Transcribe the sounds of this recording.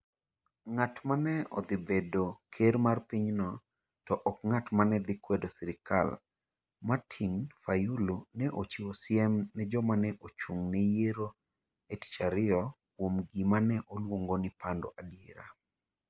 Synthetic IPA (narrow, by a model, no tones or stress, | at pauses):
ŋatmanɛɔ̰d̪ibedokʰeɾmarpiɲnɔ | tɔʔɔk̚ŋatmanɛd̪ɪkwedɔsiɾɪka̰l | matʰinfajulonɛʔot͡ʃiosɪɛmnɛd͡ʒɔmanɛʔot͡ʃuŋnɛjeɾo | eti̥t͡ʃaɾɪɔ | kwomɡimanɛʔolwoŋɡonipandɔ̰ʔadieɾa̰